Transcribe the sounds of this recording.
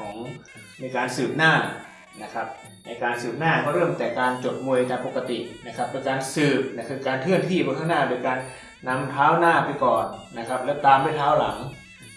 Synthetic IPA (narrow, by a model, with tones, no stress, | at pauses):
kʰɔː˩˦ŋ | miː˧˥˧kaː˨˧nsɯː˨˩p̚naː˥˩ | na˧˩kʰa˦˧˥p̚ | ʔa˧˩jkaː˧nsɯː˨˩p̚naː˥˩kʰɔ˧˨ɾɤː˥˩mt̪ɛː˨˩kaː˧nt͡ɕo˨˩t̪̚mu˧˩əjt̪aː˧˦ŋpo˨˧˩kːa˧t̪i˨˩ʔna˧˩kʰa˧˥p̚ːe˧˦nkaː˧nsɯː˨˩p̚na˧˥˩kʰɯː˧kaː˨˧nkʰɯ˥˨ənt̪ʰiː˧˩pɔː˧k̪ʰa˥˩naː˧˥˨doː˧˨kaː˧nː | a˧˥mt̪ʰaː˦˥˨wnaː˧˥˩pa˧jkɔː˨˩nna˧kʰa˦˥p̚lɛː˦˥˩t̪aː˨˧mdu˧˥˨jt̪ʰaː˦˥wla̰˩˦ŋ